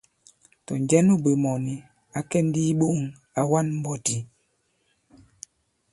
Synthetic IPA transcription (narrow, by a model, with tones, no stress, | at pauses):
tɔ˨ɲd͡ʒɛ˦nu˦be˨mɔ˨ni˨ | a˨kɛ˦n˦di˦ɓo˦˨ŋ | a˨wa˦nm̩˦bɔ˨ti˨